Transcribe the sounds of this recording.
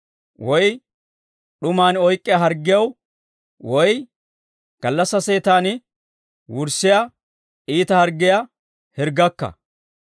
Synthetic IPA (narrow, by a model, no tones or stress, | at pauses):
wɔj | ɗʊmaːnɔjkʼːɪjaɦɐɾɡːɪjɐw | wɔj | ɡ̥ɐlːɐsːɐse̞ːt̪aːnɪ | wʊɾsːɪja | ʔiːt̪ɐhɐɾɡːɪjɐ | hɛɾɡɐkːɐ̰